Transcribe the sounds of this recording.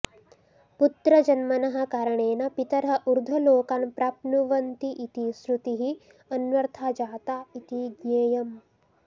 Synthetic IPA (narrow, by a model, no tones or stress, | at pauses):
put̪ɾɐd͡ʒɐnmɐnɐɦɐ̆kaːɾɐɳeːnɐpit̪ɐɾɦɐ̆ʔuɾd̪ʱɐloːkaːnpɾaːp̚nuʋɐnt̪iʔit̪isɾut̪iɦi | ɐnʋɐɾt̪ʰaːd͡ʒaːt̪aːit̪iɡɲeːjɐm